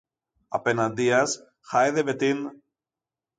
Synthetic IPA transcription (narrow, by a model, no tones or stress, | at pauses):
ɐ̰penɐnd̪iɐs | xajðevet̪in